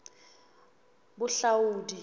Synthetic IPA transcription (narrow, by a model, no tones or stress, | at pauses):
bʊɬawuːdi